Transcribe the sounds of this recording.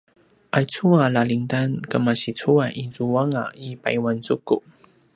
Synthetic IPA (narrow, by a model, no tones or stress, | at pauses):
ʔajt͡sʰualaliŋtankəmasit͡sʰuaʔizuwaŋa̰ipa̰jwant͡sukːuʔ